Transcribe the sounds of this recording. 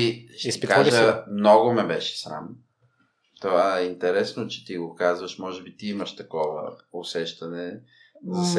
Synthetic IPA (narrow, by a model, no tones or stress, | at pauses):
iʃskaʒəmnɔɡomɛbɛʃɛ̥sɾa̰m | t̪ovaɛint̪ɛɾɛsnot͡ʃɛ̥t̪iɡokazvəʃmɔʒɛbit̪iiməʃt̪ɐkɔvə̰ʊsɛʃt̪ɐnɛ | zɐs